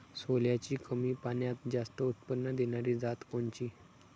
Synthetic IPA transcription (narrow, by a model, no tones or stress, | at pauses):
soljat͡ɕiːkəmiːpaɳjat̪̚d͡zast̪əut̪pənːəd̪eñaɾiːd͡zat̪koɲt͡ɕiː